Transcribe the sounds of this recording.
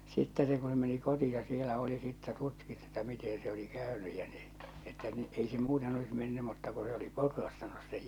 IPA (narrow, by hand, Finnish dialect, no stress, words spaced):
sitːɛ se ku se meni kotiɑ sielæ oli sitːæ tutkitːu etːæ mite se oli kæˑønyj jɑ n̥i̥ etːæ ni ei se muːten olis menːy mutːɑ ku se oli potrɑstɑnus sej